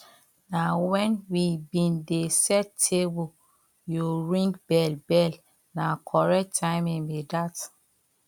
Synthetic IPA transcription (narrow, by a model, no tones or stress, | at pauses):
nawɛ̃nwibĩndesɛtʰebu | juɹĩŋkbɛlbɛl | nakʰɔɹɛk̚tʰːãɪ̃minbidat